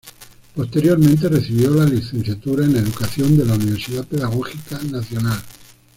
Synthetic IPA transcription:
po̞st̪e̞ɾjo̞ɾmẽnt̪̬e̞reθiβ̞jo̞laliθẽ̞nθjat̪uɾaeneðukaθjond̪e̞launiβ̞e̞ɾsiðapeðaɣ̞oxikanaθjo̞nal

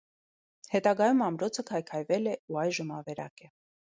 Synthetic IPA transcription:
hɛt̪ɑɡɑjumɑmɾɔt͡sʰəkʰɑjkʰɑjvɛlɛuɑjʒəmɑ̰vɛɾɑ̰kɛ

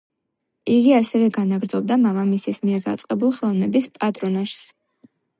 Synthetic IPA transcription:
iɡiasɛvɛɡanaɡɾzɔb̚d̪amamamisismiɛɾd̪a̰t̪sʼqʼɛbulˠχɛlˠɔvnɛbispʼat̪ʼɾɔnaʃs

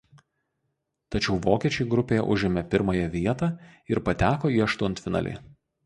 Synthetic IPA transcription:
t̪ɐt͡ʃʲɛʊʋoːkʲiɛt͡ʃʲɛɪɡɾʊpʲeːjɛ̰ʔʊʒʲɪmʲɛpʲɪɾmɐjɛʋʲiɛt̪ɑːɪɾpɐt̪ʲæːkoːiːɐʃt̪ʊɔnt̪fʲɪnɐ̰lʲɪ̰

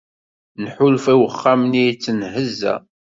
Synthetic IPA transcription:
nħʊlfæwəχːamnijt͡sːənɦəzːæ̰

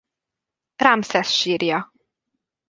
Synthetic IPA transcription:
raːmsɛsʃiːrjɒ

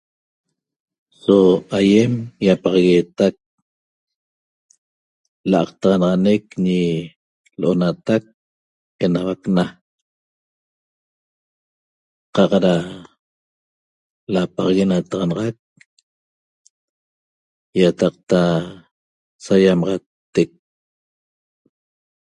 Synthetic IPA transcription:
soajemjapɑʁɑɣet̪ak̚ | la̰ɑqt̪ɑʁɑnɑʁɑnekɲi | loʔonat̪ak̚ | enawakna | qɑqɾa | lapɑʁɑɣenat̪ɑʁɑnɑʁɑk̚ | jat̪ɑq̚t̪a | sajamɑʁɑt̪ːek̚

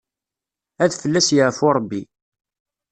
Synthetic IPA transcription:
æðfəlːæsjəʕfʊɾˤəbːi

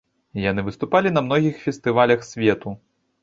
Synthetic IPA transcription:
janɨvɨst̪upalʲinɐmnɔɣʲixfʲɛst̪ɨvalʲɐxsʲvʲɛt̪u

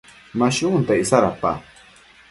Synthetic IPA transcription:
maʃʊnt̪aɪsaɾapa̰

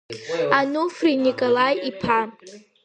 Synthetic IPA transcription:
anufrinikʼolajipʰa

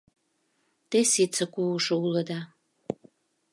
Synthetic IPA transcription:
t̪esit͡səkuuʃŏuləd̪ɑ

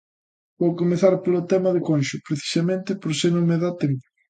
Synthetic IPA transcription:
bowkomeθaɾpolot̪ɛmɐðɪkɔnʃʊpɾeθi̥sɐmẽnt̪ɪpoɾsenomeðat̪em

